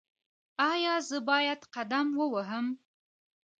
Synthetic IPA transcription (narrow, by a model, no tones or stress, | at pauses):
ɑjɑzəbɑjad̪qad̪amwəwaɦəm